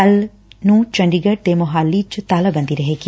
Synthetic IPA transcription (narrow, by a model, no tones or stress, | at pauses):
ɐl | nũːt͡ʃɐ̃ɳɖiɡəʈ̚d̪emʊɦaːlːit͡ʃt̪aːləbə̃nd̪iɾɐɦeːki